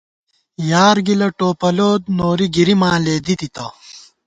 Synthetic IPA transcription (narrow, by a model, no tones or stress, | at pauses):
jaːɾɡilɐʈoːpɐloːd̪̚noːɾiɡiɾimãːleːd̪it̪it̪ɐ